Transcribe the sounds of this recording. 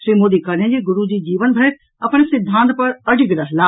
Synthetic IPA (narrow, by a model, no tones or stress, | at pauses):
ʃɾiːmoːd̪ikɐɽiə̃d͡ʑeːɡʊɾud͡ʑiːd͡ʑiːʋənbʱɐɾet | ɐpñesɪd̪ʱːãːnt̪pɐɾɐɖɪɡɾɐɦlaː